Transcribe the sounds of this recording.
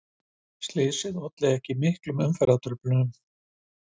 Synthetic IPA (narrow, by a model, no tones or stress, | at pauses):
st̪lɪðsɪðɔt̪lɛðɛhcɪmɪhklʏmʏmfɛɾat̪ʏɾplʏʏm